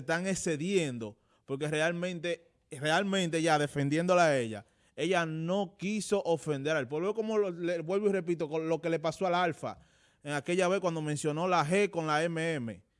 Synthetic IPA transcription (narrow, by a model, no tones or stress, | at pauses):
t̪aŋese̞ðje̞nd̪o̞ | po̞ɾk̬e̞re̞almẽ̞nt̪e̞ | re̞almẽ̞nt̪e̞ʝaðe̞fe̞nd̪je̞nd̪o̞lae̞ʎa̰ | e̞ʝano̞kiso̞ʔofe̞nd̪e̞ɾalpweβoko̞moleβwelβure̞p̬it̪okolo̞ke̞le̞paso̞alalfa̰ | eŋake̞ʎaβekwand̪o̞mẽnsjo̞no̞laɦeko̞nlaemeeme̞̰